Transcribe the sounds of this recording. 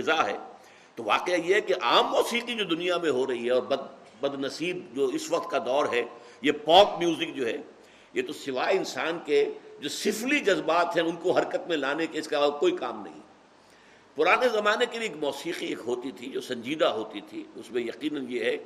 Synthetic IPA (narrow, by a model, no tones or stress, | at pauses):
ɪzaɦɛ̰ː | t̪oʋa̰ːqeajeɦɛkeʔaːmːɔːsiːqid͡ʒoːd̪ʊnijamẽɦoɾɐɦiɦɛɔːɾbɐd̪ | bɐd̪nɐsiːbd͡ʒoːɪsʋɐq̚t̪̚kad̪ɔːɾɦɛ | jepɔ̃ːkmjuːzɪk̚d͡ʒoːɦɛ | jet̪osɪʋaːeɪnsaːnked͡ʒoːsɪflid͡ʒɐzbaːt̪ɦɛ̃ʊnkoɦɐɾkət̪mẽlaːnekeɪskakoːikaːmnɐ̰ɦḭ̃ | pʊɾaːnezɐmaːnekelieːkmɔːsiːqieːkɦoːt̪it̪ʰid͡ʒoːsɐ̃ɲd͡ʒiːd̪aɦoːt̪it̪ʰiʊ̰smẽjɐqiːnənjeɦɛ